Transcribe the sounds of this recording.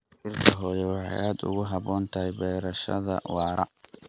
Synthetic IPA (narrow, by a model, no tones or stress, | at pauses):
ʔɪrkʰɐɦɔːjɛwɑħɑ̰jaːd̪ʊ̰ɣʊɦɑβɔːnt̪ʰɐɦɛjbɛːɾɐʃɐ̰ðɐ̰wɑːɾɐ̰